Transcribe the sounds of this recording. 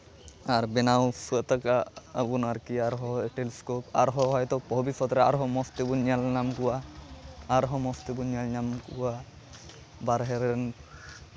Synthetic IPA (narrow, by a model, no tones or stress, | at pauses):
aɾbɛnawsut̪akaabunaɾkiaɾɦɔʈeliskopaɾɦɔɦɔjt̪ɔbʱɔbipʰɔt̪ɾɛaɾɦɔmɔst̪ibunɲalnamkuwaː | ɾɦɔmɔst̪ibunalɲamkuwa | baɾɦɛɾɛn